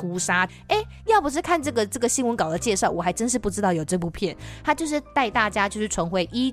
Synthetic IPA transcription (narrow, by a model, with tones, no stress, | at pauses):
u˧˥ʂa˥ | e˥˩ɪjɑ˥˩ʊpu˨˩ʂ̬ɻ̩˥˧kʰa˥˧nʈ͡ʂɤ˥˩ɡə˩ʈ͡ʂɤ˥˩ɡə˩ɕi˥nwə˧˦nkɑ˨˩ʊd̪ə˦t͡ɕjɛ˥˧ʂɑ˥˩ʊwɔ˨˩a˧˥ɪʈ͡ʂə˥nʂɻ̩˥˧pu˥˩ʈ͡ʂɻ̩˥t̪ɑ˥˩ʊjo˨˩ʊʈ͡ʂɤ˥˧p̬u˥˧pʰjɛ˥˩nt̪ʰa˥t͡ɕjo˥˧ʊʂ̬ɻ̩˥˧t̪a˥˧ɪt̪a˥˩t͡ɕja˥t͡ɕjo˥˧ʊʂɻ̩˥˩ʈ͡ʂʰwə˧˥nxwe˥˩ɪʔi˥